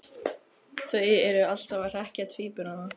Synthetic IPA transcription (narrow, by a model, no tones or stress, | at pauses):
θveːjɪɛɾʏal̥t̪avar̥ɛhcat̪ʰviːpʏnana